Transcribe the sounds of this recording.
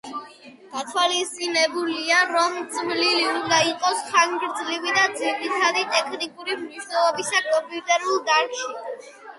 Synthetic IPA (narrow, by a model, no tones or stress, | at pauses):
ɡ̥at̪ʰwalist̪ʼinɛbuliaɾɔmd̪z̥mliliund̪aiqʼɔsχaŋɡɾd̪zlivid̪ad̪ziɾit̪ʰad̪it̪ʼɛkʰnikʼuɾimniʃnɛlˠɔbisakʼɔmpʼiut̪ʼɛɾulˠd̪aɾʃi